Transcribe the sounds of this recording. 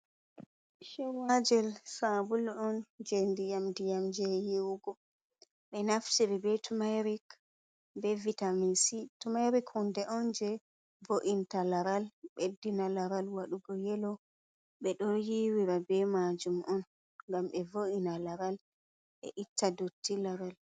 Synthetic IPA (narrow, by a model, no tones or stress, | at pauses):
ʃɛwad͡ʒɛlsabulɔnd͡ʒɛndijamdijamd͡ʒɛjiwɡɔ | ɓɛnaftiɾɛbɛtumajɾik | bɛvitamisitumajɾikhɔndɛʔɔnd͡ʒɛ | voʔintalaɾalɓedːinalaɾalwaɗuɡɔjɛlɔ | ɓɛɗɔjiwiɾabɛmad͡ʒumʔɔn | ŋɡamɓɛvoʔinalaɾal | ɓɛ̰ʔitʰːadotːilaɾal